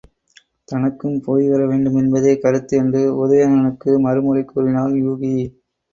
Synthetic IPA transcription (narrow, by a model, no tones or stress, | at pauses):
t̪ɐnɐkːɯmpoːjʋɐɾɐʋeːɳɖɯmɛnbɐðeːkɐɾɯt̪ːɯɛndrɯɔðɐʋeːnɐnɯkːɯmɐɾɯmʊlɐɪkːuːɾɪnaːljuːɣi